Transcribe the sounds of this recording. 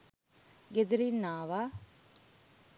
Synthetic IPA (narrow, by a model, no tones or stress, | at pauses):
ɡed̪ɾinaːʋa